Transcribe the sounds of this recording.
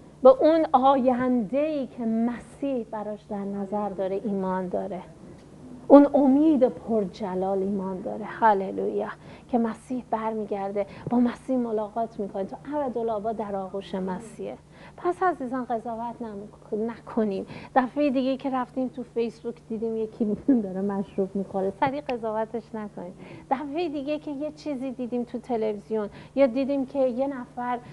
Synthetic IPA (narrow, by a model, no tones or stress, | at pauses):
beʔunɒːjænd̪e̞iːcʰe̞mæsiːhbæɾɒːʃd̪æɾnæzæɾd̪ɒːɾeʔiːmɒːnd̪ɒːɾe̞ | ʔunomiːd̪epʰoɾd͡ʒælɒːliːmɒːnd̪ɒ̰ːɾe̞hælelṵːjɑcʰe̞mæsiːhb̥æɾmiːɟæɾd̪e̞b̥ɒːmæsiːhmo̞lɒːɣɒːt̪ʰmiːkʰo̞nit̪ʰuʔæbæd̪o̞lɒːbɒːd̪æɾɒːɣuːʃemæsiːhe | pʰæsæziːzɒnɢe̞zɒːvæt̪ʰn | nækʰo̞niːmd̪̥æfe̞jd̪iɡejcʰe̞ɾæft̪iːmt̪ʰufe̞jsbukʰd̪̥iːd̪iːmje̞kʰid̪ɒɾemæʃɾuːbmiːkʰonesæɾiːe̞zɒːvæt̪ʰe̞ʃnækʰo̞niːmd̪̥æfe̞jid̪iɡecʰe̞je̞t͡ʃʰiːziːd̪iːd̪iːmt̪ʰut̪ʰe̞le̞vizijo̞njɒːd̪iːd̪iːmcʰe̞je̞næfæɾ